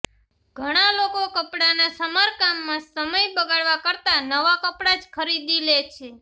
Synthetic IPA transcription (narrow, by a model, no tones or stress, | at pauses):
ɡʱəɽ̃alokokəpɽanasəmaɾkamːãsəməjbəɡaɭʋakəɾt̪anəʋakəpɽad͡ʒkʰəɾid̪ilet͡ʃʰe